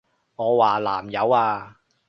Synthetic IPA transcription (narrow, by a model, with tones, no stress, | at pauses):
ŋɔː˨˧waː˨˩la̰ː˨˩mjɐ˨˧waː˧